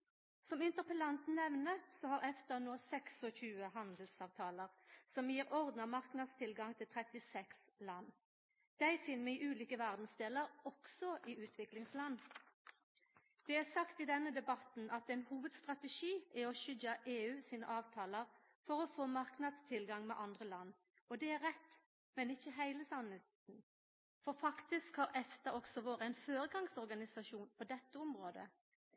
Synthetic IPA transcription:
sɔmɪnt̪əʁpəlɑnt̪n̩nɛʋnəsɔhɑʁɛft̪əʁnoːsɛksɔçʉːəhɑnd̪lsɑːʋt̪ʰɑːləʁsɔmjiːʁɔʁd̪nəmɑʁknɑd̪st̪ʰɪlɡɑŋt̪ʰɪlt̪ʰʁɛt̪ɪsɛkslɑnː | d̪̥æɪfɪnmɛʔʉːliːkəʋæʁd̪n̩sd̪eːləʁɔksɔʔiːʔʉːt̪ʰʋɪklɪŋslɑnː | d̪ɛæʁsɑkt̪ɪd̪ɛnːəd̪ɛbɑt̪n̩ʔɑt̪ɛɪnhuːʋəd̪st̪ʁɑt̪ɛʃiːæɔʃʏɟɑʔeːʉːsiːnə̰ʔɑːʋt̪ʰɑːləʁ | fɔʁɔfoːmɑʁknɑd̪st̪ʰɪlɡɑŋmɛ̰ːʔɑnd̪ʁəlɑnː | ɔd̪ɛæʁʁɛt̪ː | mɛnɪçːəɦæɪləsɑnɛt̪n̩ | fɔʁfɑkt̪ɪskhɑːʁɛft̪əʔɔksɔʋoːɾəæɪnføːɾəɡɑŋsɔʁɡɑnɪsɑʃuːnpʰɔd̪ɛt̪ːəʊmʁoːd̪ə̰

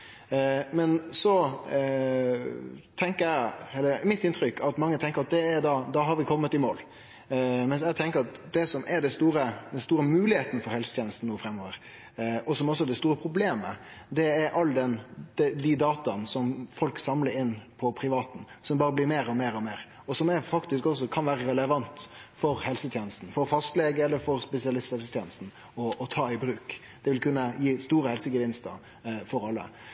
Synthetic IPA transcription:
mɛnsɔ | t̪ʰɛŋkəɾæɪhɛlːəmɪt̪ːɪnt̪ʰɾʏkːɑt̪mɑŋːət̪ʰɛŋkəɾɑt̪̚d̪ɛɛɾd̪ɑd̪ɑɦɑɾʋɪkʰɔmːət̪ɪmo̰ːl | mɛns̬æɪt̪ʰɛŋkəɾɑt̪d̪ɛsɔmɛɾɖɛst̪uːɾəd̪ɛnst̪uːɾəmʉːlɪheːt̪ənəfɔɾhɛlsə̥t̪jeːnəst̪n̩uːəfɾɛmːoːʋəɾ | ɔsɔmɔs̬ːɔɛd̪ɛst̪uːɾəpʰɾʊbleːmə̰d̪ɛːɾʔɑlːd̪ɛnd̪̥ɛd̪ɪd̪ɑːt̪ɑnsɔmfɔlksɑmləɾɪnːpʰɔpʰɾɪʋɑːt̪n̩ | sɔmbɑːɾəblɪɾmeːɾɔmeːɾɔmeːɾ | ɔsɔmɛɾfɑkt̪ɪskɔs̬ɔkʰɑnʋæːɾəɾɛləʋɑnt̪fɔɾhɛlsət̪ʰjeːnəst̪n̩fɔɾfɑst̪leːɡəɛlːəɾfɔɾspɛsɪɑlɪst̪hɛlsət̪jeːnəst̪n̩ | ɔːt̪ʰɑːɪbɾʉːk | d̪̥ɛʋɪlkʉnːəjiːst̪uːɾəhɛlsəɡəʋɪnst̪ə̰ | fɔɾɑlːə̰

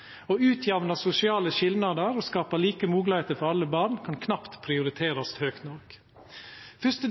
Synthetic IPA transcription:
oːʉːt̪ʰjɛʋnɑsʊsɪɑːləʃɪlnɑd̪əɾoːskɑːpəliːkəmuːɡlɪheːt̪əɾfɔɾɑlːəbɑːɳkʰɑnkʰnɑpt̪pʰɾɪʊɾɪt̪ʰeːɾɑst̪høːkt̪nɔɾk | fʏst̪ə

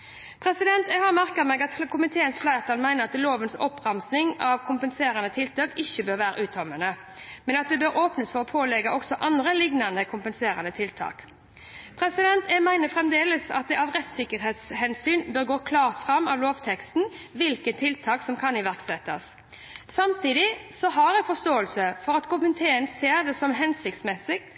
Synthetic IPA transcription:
pʰʁɛsɪd̪ɛnt̪æhɑʁmæʁkəʁmɛɡɑt̪kʰʊmɪt̪ʰeːənsflæɪʁt̪ʰɑlmæɪnəʁɑt̪loːʋənsɔpːʁɑmsnɪŋɑʋkʰʊmpənseːɾɑnət̪ʰɪlt̪ʰɑːkɪçːəbøːʁʋæːɾə̰ʔʉːt̪ʰɔmənə | mɛnɑt̪̚d̪ɛbøːɾoːpnəsfɔʁɔpʰoːlɛɡɑʔɔksɔʔɑnd̪ʁəlɪɡnɑnəkʰʊmpənseːɾɑnət̪ʰɪlt̪ʰɑ̰ːk | pʰɾɛsɪd̪ɛnt̪ɛmæɪnəfʁɛmd̪eːləsɑ̰t̪̚d̪ɛʔɑːʋʁɛt̪sɪkːəɾɦeːt̪shɛnsyːnbøːɾɡoːkʰlɑːʁt̪fʁɑmɑ̰ʋloːʋt̪ʰɛkst̪nʋɪlkət̪t̪ʰɪlt̪ʰɑːksɔmkʰɑnɪʋæʁksɛt̪ːɑ̰sː | ɑmt̪ʰiːd̪ɪsɔɦɑɾæɪfɔst̪oːəlsəfɔʁɑt̪kʰʊmpɪnt̪ʰeːənseːʁd̪ɛsɔmɦɛnsɪkt̪smɛsɪɡ

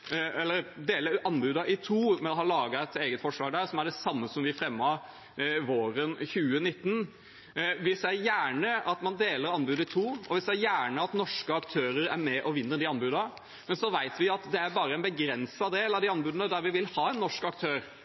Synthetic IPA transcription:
ɛlːəɾd̪eːləʔɑnːbʉːd̪ɑʔɪt̪ʰuːmɛnɔhɑlɑːɡɑɛt̪eːɡət̪fɔʂlɑːɡ̚d̪æːɾsɔmæɖɛsɑmːəsɔmʋɪfɾɛmːɑ | ʋoːɾənçʉːənɪt̪ːn | ʋɪsæjæːɳəɑt̪mɑnd̪eːləɾɑnbʉːd̪ɑɪt̪ʰuːʔɔʋɪst̪ææjæːɳəɑt̪nɔʂkəɑkt̪ʰøːɾəɾæ̰ɾmɛʔɔʋɪnːəɾd̪iɑnbʉːd̪ɑ | mɛnsɔʋæɪt̪ʋɪɑt̪d̪ɛæɾbɑːɾəɛnbəɡɾɛnsɑd̪eːlɑʋd̪iɑnbʉːd̪ɑnəd̪æɾʋɪʋɪlhɑːɛnːɔʂkɑk̚t̪ʰøːɾ

